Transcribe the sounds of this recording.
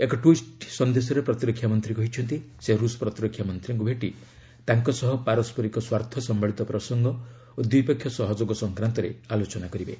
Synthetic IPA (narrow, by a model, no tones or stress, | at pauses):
ekɔʈwisʈsɔnd̪esɔɾepɾɔt̪iɾɔkʰːjamɔnt̪ɾikɔɦit͡ʃʰɔnt̪iseɾuspɾɔt̪iɾɔkʰːjamɔnt̪ɾiŋkubʱeʈi | t̪aŋkɔsɔɦɔpaɾɔspɔɾikɔswaɾt̪ʰɔsɔmbaɭit̪ɔpɾɔsɔŋɡɔ | od̪jiipekʰːjɔsɔɦɔd͡ʒoɡɔsɔŋkɾant̪ɔɾḛalot͡ʃɔnakɔɾibe